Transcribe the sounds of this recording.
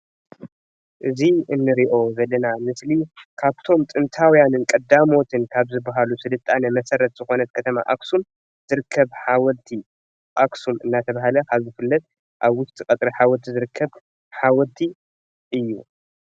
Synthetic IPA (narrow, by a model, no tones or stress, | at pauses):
ʔɨziʔɨnːɨɾiʔo̞zɐlːɐnamɨslikʰaβt̪ʰo̞mt̪ʼɨnt̪ʰawijanɨnkʼɐd̪amo̞t̪ʰɨnkʰaβzɨbːaɦalusɨdɨt̪ʼːanɐmɐsɐɾɐt̪z̥ɨxo̞nɐt̪̚kʰɐt̪ʰɐma̰ʔaksum | z̥ɨɾɨkʰːɐβħawɔlt̪ʰi | ʔaksumɨnːat̪ʰɐβaɦalɐkʰaβzɨfɨlːɐt̪̚ | ʔaβwʊst̪ʼikʼɐt̪ʼɾiħawɔlt̪ʰizɨɾɨkʰːɐβ | ħawɔlt̪ʰi | ʔɨjːu